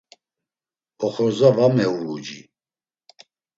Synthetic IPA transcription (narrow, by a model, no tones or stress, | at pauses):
ɔχɔzavamɛuɾud͡ʒḭ